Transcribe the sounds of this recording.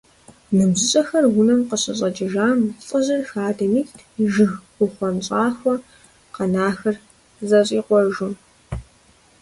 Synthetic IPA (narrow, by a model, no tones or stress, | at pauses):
nɨmzɪɕʼɐxɐrɡʊnɐmqəɕʼɐɕʼɐd͡ʒʼɪʒaːmt͡sʼɨʑɪrxaːdɐmiːxtʰiʒɨɣʷ | ʊχʷɔnɕʼaːxʷɔ | qɐnaːxɐr | zɐɕʼiːqʷɔʒʊn